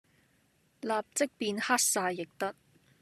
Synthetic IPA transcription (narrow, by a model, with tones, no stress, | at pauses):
laː˨p̚t͡sɪ˥k̚piː˧nhaː˥t̚saː˧jːɪ˨k̚t̪ɐ˥t̚